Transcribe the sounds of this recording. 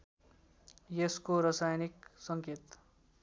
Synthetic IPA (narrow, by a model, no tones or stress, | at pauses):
jeskoɾʌsajniksʌŋket̪